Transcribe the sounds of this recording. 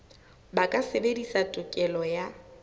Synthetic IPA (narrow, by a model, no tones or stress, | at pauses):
bakʼasebedisatʼʊkʼɛlɔja